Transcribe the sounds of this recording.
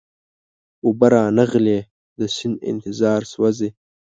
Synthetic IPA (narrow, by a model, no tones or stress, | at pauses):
ubaɾɑːnəɣleː | d̪əsɪnɪ̰nt̪ɪzɑːɾswaze